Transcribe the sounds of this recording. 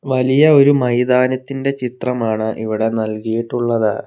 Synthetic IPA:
ʋɐlijɐo̞ɾumɐjd̪aːnɐt̪ːinde̞t͡ɕit̪rɐmaːɳɨʔiʋiɽe̞nɐlkijiʈːuɭːɐðɨ

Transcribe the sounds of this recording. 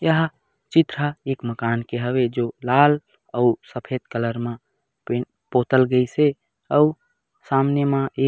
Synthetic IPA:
jəɦ | t͡ʃit̪ɾaeːkməkaːnkeɦəbed͡ʒolal | əusəpʰet̪̚kələɾmẽ | pe | pot̪əlɡəise | əu | samnemãe

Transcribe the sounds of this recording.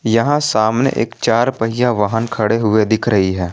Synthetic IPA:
jɐɦãsaːmnḛʔḛːkt͡ʃaːɾpɐɦɪjaʋaːɦənkʰɐɽeɦʊed̪ɪkʰɾɐɦiɦɛː

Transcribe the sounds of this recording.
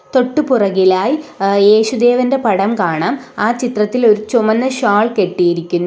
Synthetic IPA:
t̪o̞ʈːupurɐɣilaːjije̞ːɕud̪e̞ːʋɐnde̞pɐɽɐmkaːɳaːmaːt͡ɕit̪rɐt̪ːilo̞ɾut͡ɕumɐnːɐɕaːɭke̞ʈːijiɾikʲːunːu

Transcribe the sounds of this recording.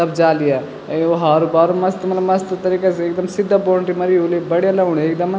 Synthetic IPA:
tɐbd͡ʒaːlija | oɦaːɾubaːɾumɐst̪mɐt̪lɐmɐst̪t̪ɐɾiːkeseːk̚d̪ɐmsɪd̪ːaboːɳʈimɐɾiulebɐɽjalɐuɽeeːk̚d̪ɐm

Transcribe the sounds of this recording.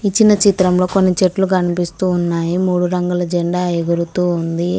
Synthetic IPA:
it͡ʃːinɐt͡ʃit̪ɾɐmlo̞ːkonːit͡ʃeʈlukɐnipist̪uːnːaːjimuːɽuɾɐŋɡulɐd͡ʒeɳɖaːjɐɡuɾut̪uːund̪i

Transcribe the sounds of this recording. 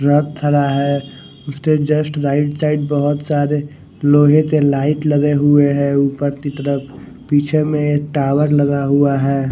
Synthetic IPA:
ɾəd̪̚t̪ʰːəɾaɦɛ | ʊssed͡ʒəsʈɾaːɪʈsaɪɖ̚bəɦʊt̪saːɾe | loːɦẽt̪elaːɪʈləɡeɦueɦɛ̃uːpəɾt̪it̪əɾəp | piːt͡ʃʰemẽek̚ʈaːwəɾləɡaɦuaɦɛː

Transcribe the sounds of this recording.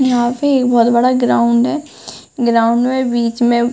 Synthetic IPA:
jɦãːpeːkbɔːt̪bəɽaɡɾaːʊɳɖɦɛː | ɡɾaːʊɳɖmẽbiːt͡ʃmẽ

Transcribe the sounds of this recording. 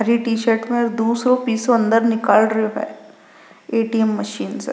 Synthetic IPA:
ɦɐɾiʈiːʃəɾʈmẽɔɾd̪uːsɾõpiːsoɐ̃nd̪əɾnɪkaːlɾɐɦoɦɛ̰ː | eːʈiɛmːɐʃiːnsḛ

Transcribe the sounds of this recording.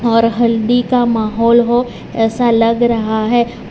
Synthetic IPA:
ɔːɾɦɐld̪ikamaːɦɔːlɦo | ɛːsalɐɡɾɐɦaɦɛː

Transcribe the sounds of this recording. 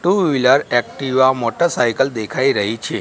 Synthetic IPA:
ʈuʋiləɾɛk̚ʈiʋamɔʈəɾsajkəld̪ekʰaiɾəɦit͡ʃʰe

